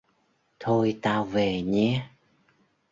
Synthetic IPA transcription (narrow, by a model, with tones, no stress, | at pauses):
t̪ʰo˧jt̪aː˧wve˨˩ɲɛ˨˧˥